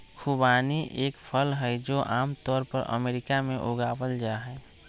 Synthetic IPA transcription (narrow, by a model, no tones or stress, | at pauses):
kʰubaniʔeːkpʰəlɦəjd͡ʒoʔaːmt̪ɔːɾpə̰ɾʔə̰meːɾikamẽʔoɡabəld͡ʒaɦɛ